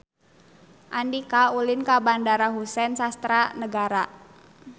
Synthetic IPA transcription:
ʔandikaulɪnkabandaɾaɦusɛnsast̪ɾanəɡaɾa

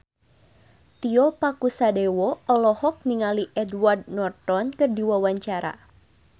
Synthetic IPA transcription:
t̪iɔpakusadewɔɔlɔhɔk̚niŋaliʔɛdward̚nɔrt̪ɔnkɨrdiwawaɲt͡ʃaɾa̰

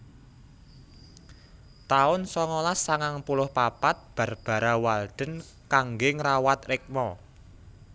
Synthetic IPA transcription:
t̪aʊnsɔŋɔlasːaŋaŋpulʊhpapat̪̚b̥a̤rb̥a̤ɾawald̪̥ə̤n | kaŋɡɪŋɾawat̪rɪk̚mɔ

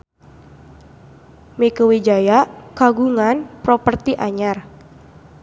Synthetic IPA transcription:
mikəwid͡ʒajaʔkaɡuŋanpɾopərt̪iʔaɲar

